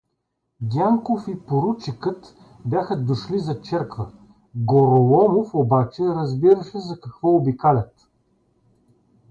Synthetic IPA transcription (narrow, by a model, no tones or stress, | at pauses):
ɡʲaŋkofipoɾut͡ʃikɤt̪ | bʲjaxəd̪oʃlizɐt͡ʃɛɾkvə | ɡoɾolˠɔmofobat͡ʃɛɾɐzbiɾɐʃɛzɐkɐkvɔobikalʲɐt̪